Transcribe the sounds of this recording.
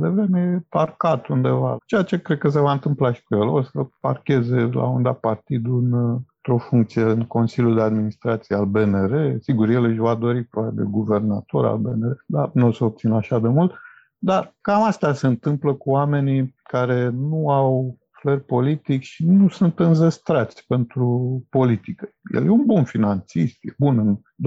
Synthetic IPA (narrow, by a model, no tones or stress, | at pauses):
d̪e̞vɾe̞mejeparkat̪und̪e̞va̰t͡ʃe̞jat͡ʃe̞kɾed̪̚kəs̬e̞vaɨnt̪ɨmplaʃi̥kujelosəpa̰rkʲe̞ze̞la̰und̪apart̪id̪uɨnt̪ɾo̞fuŋkt̪sijeɨnko̞nsilʲjuld̪e̞ad̪minist̪ɾat̪sijealbe̞neɾe̞siɡurje̞lɨʃvad̪o̞ɾipɾoat̪ed̪ḛɡuve̞rnat̪o̞ɾa̰lbe̞neɾed̪anoseo̞p̚t̪sinaʃad̪e̞mult̪ | d̪arkamast̪ase̞ɨnt̪ɨmpləkuwame̞nikaɾe̞nuaw | flərʲpo̞lit̪ikʲʃinusunt̪ɨnzəst̪ɾat̪sʲpe̞nt̪ɾupo̞lit̪ikə̥jḛljeunbunfinant̪sist̪jebunɨn